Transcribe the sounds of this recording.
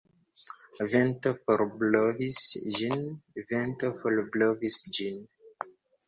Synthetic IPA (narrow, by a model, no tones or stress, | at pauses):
ventofoɾblovisd͡ʒinventofolblovisd͡ʒin